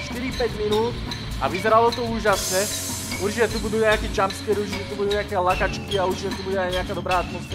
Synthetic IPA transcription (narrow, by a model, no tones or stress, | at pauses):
ʃt̪iɾipɛɟminuːt̪ | a̰ʋizɛɾalɔt̪ɔuːʒasɲɛ | uɾt͡ʃicɛt̪ubud̪uːɲɛakɛːt͡ʃamskɛːɾuɾrt͡ʃicɛt̪ubud̪uːɲɛakɛːlakat͡ʃkiauɾt͡ʃicɛt̪ubuɟɛajɲɛakaːd̪ɔbɾaːat̪mɔsfɛ